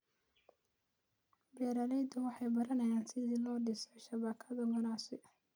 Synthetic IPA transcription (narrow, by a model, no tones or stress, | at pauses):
bɛːɾalɛjd̪ɐwɑħɑjbɐɾɐnɐjaːnsɪðiːlɔːɖɪsɔʃɐβaːkʰɐðɐɡʊnaːsɪ